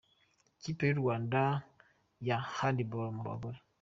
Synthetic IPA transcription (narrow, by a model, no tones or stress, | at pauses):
kipeɾuanda | jahandibɔɾmɾa̰bɔ